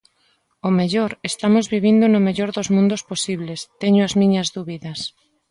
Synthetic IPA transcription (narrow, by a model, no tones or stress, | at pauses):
omeʎoɾest̪amozβiβ̞ind̪ʊnʊmeʎoɾðozmũnd̪ʊsposiβlest̪eɲʊazmĩɲɐzðuβiðɐs